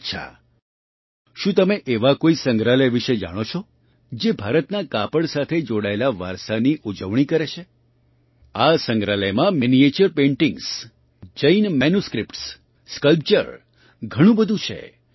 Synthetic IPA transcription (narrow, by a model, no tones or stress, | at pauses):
t͡ʃʰa̰ | ʃũt̪əmeʔeʋakoisəŋɡɾaləjʋiʃed͡ʒa̰ɽ̃ot͡ʃʰɔ | d͡ʒebʱaɾət̪nakapəɽsat̪ʰed͡ʒoɽaelaʋaɾsaniʔud͡ʒəʋɳ̃ikəɾet͡ʃʰe | asəŋɡɾaləjmãminiet͡ʃəɾpẽɳʈĩŋɡs | d͡ʒəinmenjuskɾipʈs | skəlp̚t͡ʃəɾ | ɡʱəɽ̃ũbəd̪ʱũt͡ʃʰḛ